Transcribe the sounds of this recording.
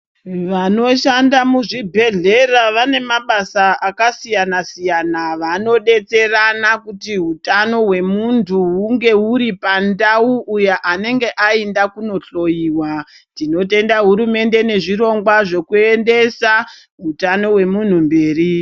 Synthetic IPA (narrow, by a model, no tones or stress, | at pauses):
ʋano̞ʃandamuʐibʱe̞ɮe̞raʋane̞maɓasaʔakasijanasijanaʋano̞ɗe̞t͡se̞ranakutiɦutano̞ɦwe̞muntʰuɦuŋɡe̞uɾipandauʔːjaʔane̞ŋɡe̞ʔaendakuno̞ɬo̞jiːwa | tino̞te̞ndaɦuɾume̞nde̞ne̞ʐiɾo̞ŋɡwaʐe̞kue̞nde̞sa | ɦutano̞we̞mun̤umbe̞ːri